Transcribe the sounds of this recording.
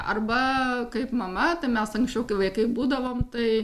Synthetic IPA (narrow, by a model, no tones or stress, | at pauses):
ɐ̰rbɐkɐɪpmɐmɐt̪ɐɪmʲɛsɐŋksʲt͡ʃʲɛʊkɐɪʋɐɪkɐɪbuːd̪ɐʋoːmt̪ɐɪ